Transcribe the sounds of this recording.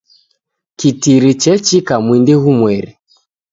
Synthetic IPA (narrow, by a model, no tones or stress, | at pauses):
kitiɾit͡ʃɛt͡ʃikamwindeɣumwɛɾi